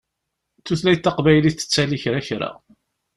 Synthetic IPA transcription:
θuθlæjt̪ːɑqvæjliθə̥t͡sːæliçɾaçɾa̰

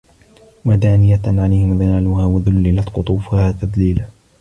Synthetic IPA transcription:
wad̪aːnɪjaʕalajhɪmðanaːlʊhaːwaðʊlːɪlat̪qʊt̪ˤuːfʊhaːt̪aðliːla

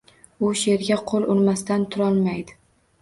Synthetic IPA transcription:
ʊʃe̞ɾɡʲaqʰolˠʊɾmast̪ant̪ʰʊɾɒlˠmajd̪ɪ

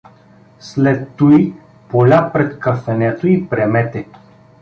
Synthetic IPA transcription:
slɛt̪ːui | polʲapɾɛt̪kəfɛnɛt̪oipɾɛmɛt̪ɛ

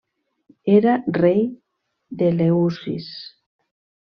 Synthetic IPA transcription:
eɾarej | d̪eleusḭs

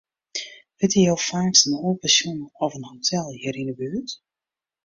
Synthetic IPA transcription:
ʋɪtijowfaːksənoːlˠpəsjunɔfənhotʰɛlˠhiəɾindəbyət

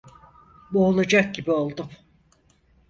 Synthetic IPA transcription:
boːlˠad͡ʒak̚ɟibio̞lˠd̪um

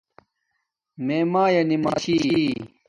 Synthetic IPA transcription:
meːmaːjɐnimaːɕi

